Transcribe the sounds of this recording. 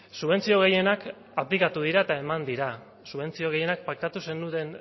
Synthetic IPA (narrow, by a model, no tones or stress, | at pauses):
suβ̞e̞nt͡sio̞ɣ̞e̞je̞nak | aplikat̪uð̞iɾaet̪ae̞mand̪iɾa | suβe̞nt͡sio̞ɣe̞je̞nak̚pak̚t̪at̪use̞nd̪uðe̞n